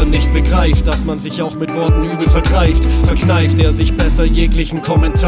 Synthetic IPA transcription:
ɐnɪçt̚b̥əɡʁaɪftd̥asmanzɪçaʊxmɪtv̥ɔɐtn̩ʔyːbl̩fɛɐɡʁaɪftfɛɐknaɪfteːɐzɪçb̥ɛsɐjeːklɪçn̩kʰɔmɛntʰaː

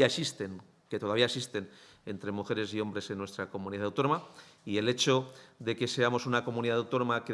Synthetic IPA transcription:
aesist̪en | ket̪o̞ðaβiaesist̪e̞n | e̞nt̪ɾe̞muxe̞ɾe̞s̬io̞mbɾe̞se̞nːwe̞st̪ɾako̞muniðaðawt̪o̞nomaie̞le̞t͡ʃo̞ðe̞ke̞se̞amo̞sunako̞muniðaðawt̪o̞no̞make

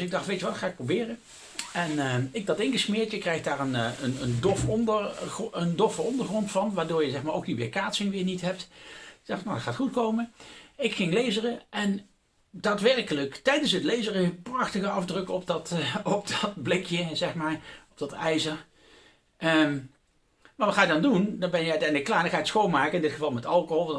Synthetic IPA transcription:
sɪɡ̚dɑχtʋejtəʋɑtχaːɪk̚probɪːrə | ɛnəɪɡ̚dɑtɪŋɣəsmɪːɹtjəkrɛjχdaːɹənənəndɔfɔndərəndɔfəɔndəɹχrɔntfɑnʋaːɹdʊːɹjəzɛχmaːɹo̰wkɦiːʋɪ̰ːɹkaːtsɪŋʋɪːɹnitɦɛp̚tɡdɑxtnadɑtχaːtχutkowməɪkχɪŋlejzərəʔɛn | daːtʋɛrkələktɛjdənsɦətlejzərəəprɑχtəχəɑfdrɵkɔpdɑtɔp̚dɑt̚blɪkjəzɛχmaːɹɔb̚d̥ɑtɛjzəɹ | ə | maːʋɑtχaːjədɑndundɑnbɛnjəœɥtɛjndləkːlaːɹnəχaːjətsxownmaːkəɪndɪtχəvɑlˠmɛtɑlˠkoɦɔlˠʋ

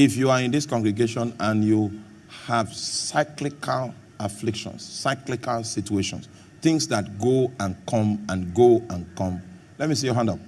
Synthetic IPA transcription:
ifjuaĩnðiskɔ̃ŋɡɹiɡeʃɔ̃nãnju | hav̥saɪklikʰal | aflɪkʃɔ̰̃nsːaɪklikalsit͡ʃueʃɔ̰̃ns | θɪ̃ŋsðat̚ɡoãnkʰɔ̃mãnɡoãnkɔ̃m | lɛt̚misijɔɦãndɔp

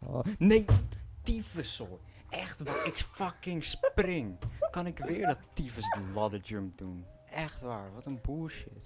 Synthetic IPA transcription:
nejtifəso | ʔɛxtʋaɪkfakɪŋsprɪŋkɑnɪkʋɪːəɹdɔttːifəsdlɔdəd͡ʒømp̚dun | ɛxtʋaːɹʋɔtənbuəʃɪ̰s

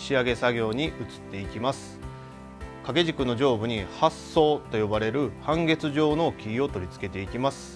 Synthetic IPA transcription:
ɕiaɡe̞saɡʲo̞ːɲ̟iʔɯ̟t͡sɨ̥t̪ːe̞ikʲimasɨ̥ | kaɡe̞ʑikɯ̟no̞ʑo̞ːbɯ̟ɲ̟ihasːo̞ːt̪o̞jo̞baɾe̞ɾɯ̟hãŋɡe̞t͡sɨʑo̞ːno̞kʲiio̞t̪o̞ɾʲit͡sɨ̥ke̞t̪e̞ikʲimasɨ̥

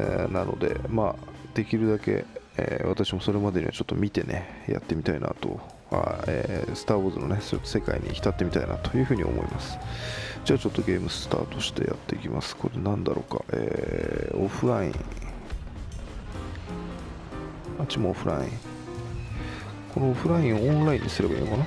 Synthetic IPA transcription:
enano̞̰d̪e̞maːd̪̥e̞kʲiɾɯ̟d̪ake̞ | eβat̪aɕimo̞so̞ɾe̞mad̪e̞ɲ̟ḭβat͡ɕo̞t̪ːo̞mʲit̪e̞nʔe̞ja̰t̪ːe̞mʲit̪ainat̪o̞ | ha̰esɨ̥t̪aːoːzɨno̞nesoot̪ːose̞kaiɲ̟ʲikʲi̥t̪at̪ːe̞mʲit̪ainat̪o̞jɯ̟ːɸɯ̟ːɲ̟io̰mo̞̰imʔasɨ̥d͡ʑaːt͡ɕo̞t̪ːo̞ɡʲe̞ːmɯ̟sɨ̥t̪a̰ːt̪o̞ɕi̥t̪e̞ja̰t̪ːe̞ikʲimasɨ̥ko̞ɾenãnd̪aɾo̞ːkaʔeːoɸɯ̟ɾaḭ̃ | mat͡ɕimoːɸɯ̟ɾaĩ | ko̞no̞oɸɯ̟ɾaĩɰ̃oõnɾaĩɲ̟ːisɨɾe̞ba̰ḭːnokana

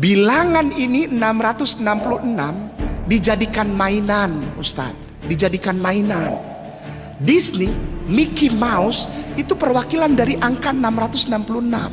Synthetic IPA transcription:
bilaŋaniniənamɾat̪ʊsənampuluənamdid͡ʒadikanmainanust̪a̰t̪̚ | did͡ʒadikanmainan | disnimikimausit̪upərwakilandaɾiʔaŋkaənamrat̪ʊsənampuluəna̰m

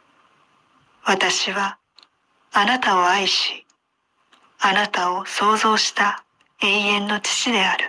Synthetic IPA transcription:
βat̪aɕiβaː | nat̪aoaiɕi̥ | anat̪ao̞so̞ːzo̞ːɕi̥t̪a | e̞ːẽ̞nːo̞t͡ɕi̥t͡ɕid̪e̞aɾɯ̟

